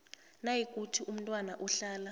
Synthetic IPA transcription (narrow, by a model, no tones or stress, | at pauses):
najikʼutʰiʔum̩ntʼwanaʔuɬaːla